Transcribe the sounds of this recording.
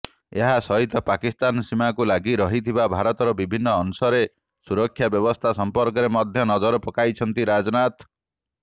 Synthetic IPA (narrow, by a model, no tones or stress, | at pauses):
eɦasɔɦit̪ɔpakist̪ansimakulaɡiɾɔɦit̪ʰibabʱaɾɔt̪ɔɾɔbibʱinːɔːnusɔɾe | suɾɔkʰːjabjɔbɔst̪ʰasɔmpɔɾkɔɾemɔd̪ʱjɔnɔd͡ʒɔɾɔpɔkajt͡ʃʰɔnt̪iɾad͡ʒɔnat̪